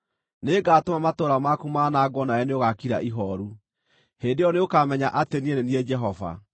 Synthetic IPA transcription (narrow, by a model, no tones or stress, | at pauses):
neɡaːtomamatoːɾamakumanaːɡwɔnajaneoɣakiɾa̰ʔiɦɔɾu | hendejɔneokamɛɲaʔatenieneniɛd͡ʒɛɦɔva̰